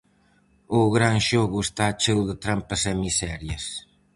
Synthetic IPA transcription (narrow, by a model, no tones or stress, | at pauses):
ʊɣɾanʃɔɣuest̪at͡ʃewðɪt̪ɾampɐsɛmisɛɾjɐs